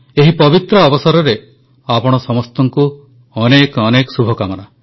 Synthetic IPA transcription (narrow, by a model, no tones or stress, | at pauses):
eɦipɔbit̪ɾɔːbɔsaɾɔɾe | apɔɽ̃ɔsɔmɔst̪ɔŋku | ɔnekɔnekɔsubʱɔkamɔna